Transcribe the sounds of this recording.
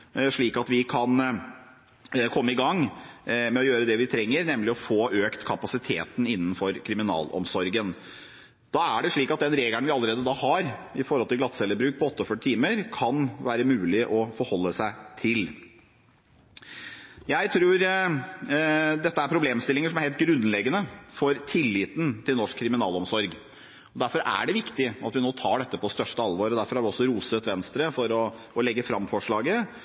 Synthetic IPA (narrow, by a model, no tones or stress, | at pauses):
ʂɭiːkɑt̪ʋɪkʰɑn | kʰɔmːəɪɡɑŋːmɛɔjøːɾəd̪ɛʋɪt̪ʰɾɛŋːəɾnɛmlɪɔfoːʔøːkt̪kʰɑpɑsɪt̪ʰḛːt̪n̩ɪnːənfɔɾkʰɾɪmɪnɑ̰ːlɔ̰msɔɾɡən | d̪̥ɑːæɖɛʂɭiːkɑt̪̚d̪ɛnɾeːɡləɳʋɪɑləɾeːd̪əd̪ɑːhɑɾɪfɔɾɔlt̪ʰɪlɡlɑt̪sɛlːəbɾʉːk̚pʰɔɔt̪ːəɔfœʈɪt̪ʰiːməɾkʰɑnʋæːɾəmʉːlɪʔɔfɔɾhɔlːəsæɪt̪ʰɪl | jæɪt̪ʰɾuːɾ | d̪ɛt̪ːəæɾpʰɾʊbleːmst̪ɪlːɪŋəʂɔmæɾhɛlt̪̚ɡɾʉnlɛɡənəfɔɾt̪ʰɪlːɪːt̪n̩t̪ʰɪlnɔʂkʰːɾɪmɪnɑ̰ːlɔmsɔɾɡ | ɔd̪æɾfɔɾʔæ̰ɖɛʋɪkt̪ɪɑt̪ʋɪnoːt̪ʰɑːɖɛt̪ːəpʰɔst̪œʂʈəɑlʋoːɾɔd̪æɾfɔɾhɑɾʋɪɔsːɔɾuːsət̪ʋɛnst̪ɾəfɔɾɔ | ɔlɛɡːəfɾɑmfɔʂɭɑːɡə